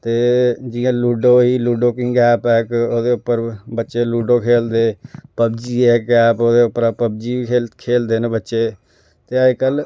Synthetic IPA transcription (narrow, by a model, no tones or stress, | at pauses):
t̪eːd͡ʒɪjãːluːɖoːɦiːluːɖoːkɪŋɡɛːpɛːkoːd̪eːʊpːəɾbətːʃeːluːɖoːkʰeːld̪eːpəbd͡ʒiːɛːkaːpoːd̪eːʊpːəɾaːpəb̚d͡ʒiːiekʰeːld̪eːnebətːʃeː | t̪eːakəl